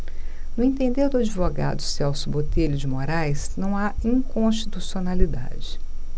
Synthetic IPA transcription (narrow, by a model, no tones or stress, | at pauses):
nʊẽt̪ẽnd̪eɾd̪ʊad͡ʒivoɡa̰d̪ʊsɛwsʊbot̪eʎʊd͡ʒɪmoɾajsnɐ̃w̃aĩŋkõst͡ʃi̥t̪usionalid̪a̰d͡ʒɪ